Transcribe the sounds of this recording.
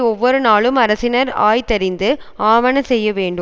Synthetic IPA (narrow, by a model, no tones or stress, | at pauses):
ɔʋːɔɾɯnaːɭɯmɐɾɐsɪnɐɾa̰ːjt̪ɐɾɪnd̪ɯ | aːʋɐnɐsɛjːɐʋeːɳɖɯ